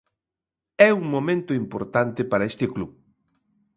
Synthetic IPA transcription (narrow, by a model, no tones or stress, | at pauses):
ɛuŋmomẽnt̪oimpo̰ɾt̪ant̪epaɾaest̪ɪklu